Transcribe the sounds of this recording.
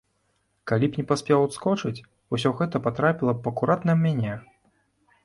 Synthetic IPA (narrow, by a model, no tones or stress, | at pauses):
kalʲipnʲɛpasʲpʲɛwt̪skɔt͡ʂɐt͡sʲ | usʲɔɣɛt̪ɐpat̪ɾapʲilˠɐpɐkuɾat̪nɐmmʲanʲɛ